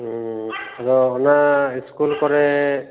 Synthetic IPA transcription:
aɹɔːnaiskulkɔɹɛ

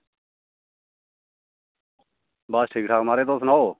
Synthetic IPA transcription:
baːsʈʰiːkʈʰaːkmaːɾeːt̪oːsnaːoː

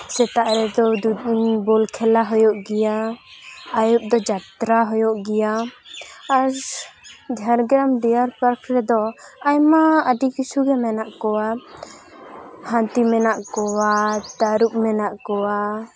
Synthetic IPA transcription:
sɛt̪aʔɾɛd̪ɔd̪ubɔlkʰɛlaɦɔjɔʔɡɛjaː | jɔp̚d̪ɔd͡ʒat̪ɾaɦɔjɔʔɡɛjaː | ɾ | d͡ʒʱaɾɡɾamɖɛjaɾpaɾkɾɛd̪ɔajmaəɖikisuɡɛmɛnaʔkɔwa | hãt̪imɛnaʔkɔwat̪aɾup̚mɛnaʔkɔwa

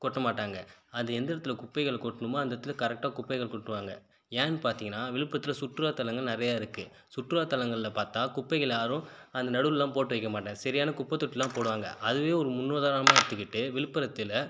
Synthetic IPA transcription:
kɔʈːɐmaːʈːaːŋɡɐɐnd̪ɐɛnd̪ɪɾɐt̪ːɪlɐkʊpːɐɪɣɐɭkɔʈːɯnɯmaːɐnd̪ɐt̪ːɪlɐkɐɾɛk̚ʈaːkʊpːɐɪɣɐɭkɔʈːɯʋaːŋɡɐ̰ | ɛːnpaːɾt̪iːŋɡɐnːaːʋɪɭɯpːɾɐt̪ːɪlɐsʊʈːɯɾaːt̪ɐlɐŋɡɐɭnɪɾɐjaːɪɾɯkːɯ | sʊʈːɯɾaːt̪ːɐlɐŋɡɐɭɪlɐpaːɾt̪aːkʊpːɐɪɣɐɭjaːɾʊ̃ɐnd̪ɐnɐɽɯllːãːpoːʈːɯʋɐɪkːɐmaːʈːẽːsɐɾɪjaːnɐkʊpːɐt̪ːɔʈːɪlːãːpoːɽɯʋaːŋɡɐ̰ʔɐðɯʋeːɔɾɯmʊnːoːðaːɾɐnɐmaːɪɽɯt̪ːɯkːɪʈːɯʋɪɭɯpːɐɾɐt̪ːɪlɐ

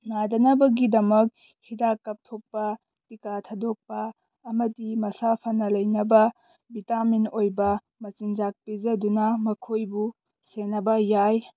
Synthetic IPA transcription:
nadɐnɐbɐɡidɐmɐk̚ | hidakːɐp̚tʰok̚pɐ | tikatʰadok̚pɐː | mɐdimɐsapʰɐnɐlɐjnɐbɐ | bitaminojbɐ | mɐt͡ʃind͡ʒak̚pizɐdunɐmɐkʰojbu | senɐbɐjaj

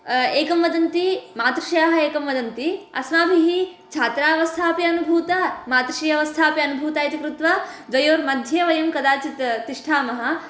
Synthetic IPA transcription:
eːkɐmʋɐd̪ɐnt̪imaːt̪ɾɐʃɐjaːɦɐeːkɐmʋɐd̪ɐnt̪iɐ̰smaːbʱiɦi | t͡ʃʰaːt̪ɾaːɐʋɐst̪ʰaːpjɐɐnubʱuːt̪ɐmaːt̪ɾɐʃɐjɐɐʋɐst̪ʰaːpjɐɐnubʱuːt̪aːjit̪ɐkɾut̪ʋɐd̪ʋɐjoːɾmɐd̪ʱjɐʋɐjɐmkɐd̪aːt͡ʃit̪t̪iʂʈʰaːmɐɦɐ̆

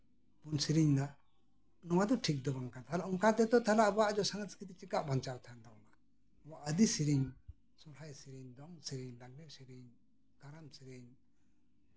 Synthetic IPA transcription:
punsiɾiɲd̪a | nɔwad̪ɔʈʰik̚d̪ɔbaŋkant̪ʰalaʔuŋkat̪ɛt̪ɔt̪ʰalaʔbɔwaʔd͡ʒɔsaŋaskit̪it͡ʃikaʔbant͡ʃat̪ʰand̪aɔna | waʔəd̪isiɾiɲ | sɔlhajsiɾiɲd̪ɔŋsiɾiɲlaɡɾɛʔsiɾiɲ | kaɾamsiɾiɲ

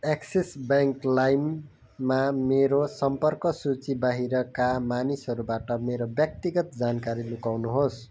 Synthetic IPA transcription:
eksesbʌŋklajmː | ameɾosʌmpʌrkʌsut͡sibaɦiɾʌkamanisɦʌɾubaʈʌmeɾobjʌk̚t̪iɡʌt̪̚d͡zankaɾilukawnuɦos

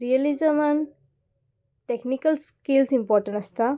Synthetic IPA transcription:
ɾiɐlizaman | teknikɐlskilsimpɔɾʈɐ̃nast̪a

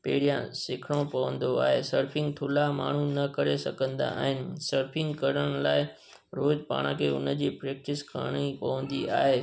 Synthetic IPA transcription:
peːɽijãsɪkʰɽ̃õpɐʋə̃nd̪oa̰ːɦeːsɐɾfʰɪ̃ŋɡt̪ʰʊlama̰ːɳ̤unɐkɐɾesɐɡə̃nd̪a̰aːɦɪnɪ̆sɐɾfʰɪ̃ŋɡkɐɾəɽ̃laːɪ | ɾoːd̪pa̰ːɽ̃akʰeːʊ̰nə̆d͡ʑiːpɾeːk̚ʈɪskɐ̰ɽ̃ipɐʋə̃nd̪iʔa̰ːɦeː

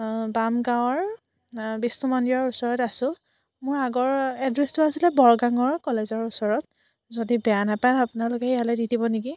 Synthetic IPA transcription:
bamɡawɔɹ | bisnɔmɔndiɹɔɹusɔɹɔtasʊ̃ | mʊɹaɡɔɹɛdɹestʊasilɛbɔɹɡaŋɔɹkɔlezɔɹusɔɹɔt̚ | zodibɛjanapanapʊnalʊkɛijalɔjditibɔniɡi

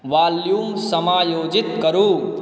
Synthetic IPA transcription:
ʋaːljuːmsəmaːjoːd͡ʒit̪kəɾuː

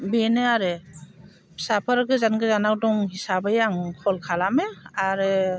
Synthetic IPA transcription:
benɯaɾɯ | sapʰɯɾɡɯzanɡɯzanawdɔŋhisabɯjaŋkʰɔlkʰalamɯaɾɯ

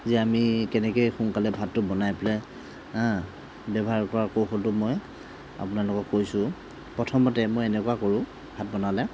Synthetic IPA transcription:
zɛamikɛnɛkojxunkalɛbʱatːʊbɔnajplɛ | ã | bɛbɔɦaɹkɔɹakowxɔltʊmɔj | a̰pʊnalʊkɔkːojsʊ | pɹɔtʰɔmɔtɛmojɛnɛkuakoɹʊ̃ | bʱat̚bɔnalɛ

